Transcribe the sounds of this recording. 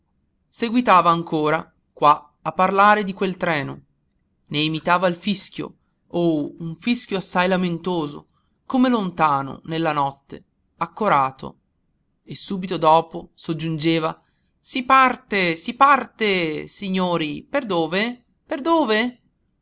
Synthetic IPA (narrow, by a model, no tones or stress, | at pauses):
seɡwit̪aːvaːŋkʰoːɾa | kwa | apːarlaːɾed̪ikwelt̪ɾɛːno̰ | neːmit̪aːvailfiskjo̰ | ouɱfisk̟joasːajlament̪oːzo̰ | komelont̪aːno̰nelːanɔt̪ːḛ | akːoɾaːt̪ʰo̰ | esːuːbit̪od̪ɔːposod͡ʒːund͡ʒeːva | sipart̪esipart̪esiɲːoːɾiperd̪oːve | perd̪oːve